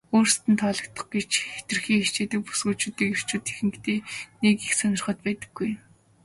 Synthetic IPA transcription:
oːrst̪ɘ̆nt̪ʰɔɮɞ̆k̚t̪ə̆χɡet͡ɕet̪ɘ̆rxiːŋxet͡ɕeːt̪ɘ̆k̚pu̥sɡuːt͡ɕuːt̪iːker̥t͡ɕuːt̪e̥xɘ̆ŋkt̪eːnekixsœnʲɪ̆rχə̆t̪̚pæːt̪ə̆ɡːuj

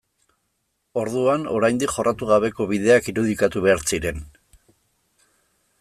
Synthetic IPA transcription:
o̞ɾðuano̞ɾajnd̪ikχo̞rʔat̪uɣaβe̞ko̞βið̞e̞akiɾuð̞ikat̪uβe̞aɾt͡siɾe̞n

